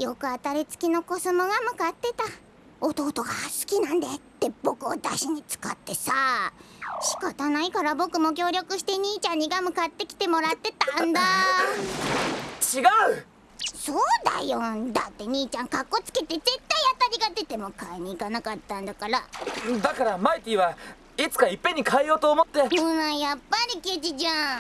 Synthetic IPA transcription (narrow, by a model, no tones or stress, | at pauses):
jo̞kɯ̟at̪aɾʲit͡sɨ̥kʲino̞kosɨmo̞ɡamɯ̟kat̪ːe̞t̪a | ot̪o̞ːt̪o̞ɡasɨ̥kʲinãnd̪e̞t̪ːeb̥o̞kɯ̟od̪a̰ɕiɲ̟it͡sɨ̥kat̪ːe̞sa | ɕi̥kat̪anaikaɾabo̞kɯ̟mo̞k̬ʲo̞ːɾʲjo̞kɯ̟ɕi̥t̪e̞ɲ̟iːt͡ɕãɲ̟ːiɡamɯ̟kat̪ːe̞kʲi̥t̪e̞mo̞ɾat̪ːe̞t̪ãnd̪a | t͡ɕiɡaɯ̟ | so̞ːd̪a̰jond̪at̪ːe̞ɲ̟iːt͡ɕãŋkakːo̞t͡sɨ̥ke̞t̪e̞ze̞t̪ːaijat̪aɾʲiɡad̪e̞t̪e̞mo̞kaeɲ̟iːkanakat̪ːãnd̪akaɾad̪akaɾamait̪ʲiːβa | it͡sɨ̥kaipːẽ̞ɲ̟ːikaejo̞ːt̪o̞ːmo̞t̪ːe̞ɯ̃ãjapːaɾʲiked͡ʑid͡ʑã